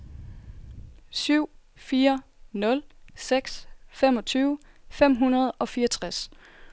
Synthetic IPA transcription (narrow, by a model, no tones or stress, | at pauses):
syʊ̰ | fiːɐnɔ̽lseɡ̥sfem̰ɒ̽t͡sʰyːʊ | fem̰ɦunɐð̞ˠɒ̽fiːɐt͡sʰʁas